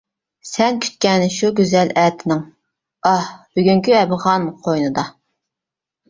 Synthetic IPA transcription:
sɛnkʲʰy̥t̪̚kʲɛnɪʃuɡʲyzɛlɛːt̪ʰɪnɪŋ | ɑhb̥yɡʲyŋkʲyɛbɨʁɑnqʰojnɨd̪ɑ

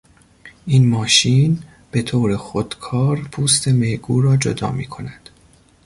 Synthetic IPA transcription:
ʔiːnmɒːʃiːn | b̥e̞t̪ʰoːɾexod̪̥kʰɒːɾpʰuːst̪ʰe̞mejɡuːɾɒːd͡ʒo̰d̪ɒ̰ːmḭːkʰo̞næd̪̥

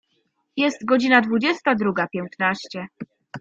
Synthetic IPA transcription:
jɛst̪ɡɔd͡ʑinad̪vud͡ʑɛst̪ad̪ɾuɡapʲjɛnt̪naɕt͡ɕɛ

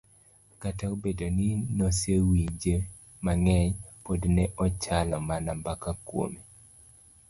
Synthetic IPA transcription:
kataobedoninosewiɲd͡ʒe | maŋɛɲpodnɛʔɔt͡ʃalɔmanambakakwo̰mi

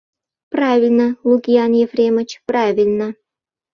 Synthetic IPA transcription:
pravʲilʲnəlˠuɡʲianjefrʲemə̆t͡ɕpravʲɪlʲnə

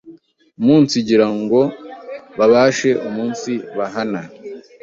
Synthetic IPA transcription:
umuːnsiɟiɾaŋɡo̞βaβaːʃe̞ʔumuːnsiβaɦana

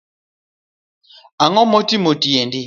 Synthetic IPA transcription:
aŋɔmɔtimotijendi

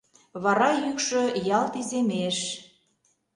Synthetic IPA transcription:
βɑɾɑjykʃø̆jɑlt̪izemeʃ

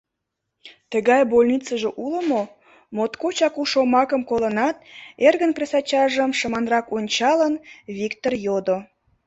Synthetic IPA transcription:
t̪əɣɑjbolʲnit͡səʒeʔuləmo | mot̪kot͡ɕɑkuʃomɑkəmkolənɑt̪̚erɣənpresɑt͡ɕɑʒəmʃəmɑnrɑkonʲt͡ɕɑlənβʲikt̪orjod̪o

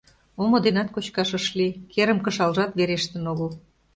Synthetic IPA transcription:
omŏd̪enɑt̪̚kot͡ɕkɑʃə̆ʃlikeɾə̆mkə̆ʃɑlʒɑt̪βeɾeʃt̪ə̆noɣəl

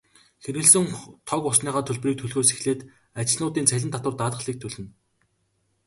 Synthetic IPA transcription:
xeɾɘ̆ɮsɘ̆ŋt̪ʰɔkʊsniːʁaːt̪ʰɵɮʲpriːk̚t̪ʰɵɮɣoːsexɮeːt̪ | at͡ɕɪ̆ɮnʊːt̪iːnt͡sʰæɮʲɪ̆nt̪ʰat̪wə̆rt̪aːt̪ə̆ɮiːk̚t̪ʰɵɮɘ̆n

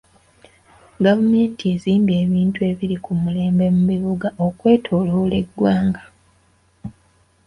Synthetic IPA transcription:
ɡavume̞ːntie̞ziːmbje̞ːβiːntue̞ːβiɾikumule̞ːmbe̞muβiβuɡaʔo̞kwe̞ːtʰoːloːle̞dːwaːŋɡa

